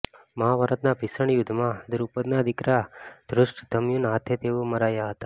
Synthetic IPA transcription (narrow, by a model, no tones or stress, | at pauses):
məɦaʋəɾət̪nabʱisəɳjʊd̪ʱːmãd̪ʊɾupəd̪nad̪ɪkɾad̪̥ɾʊʂʈd̪ʱəmjunɦat̪ʰet̪eoməɾajaɦət̪a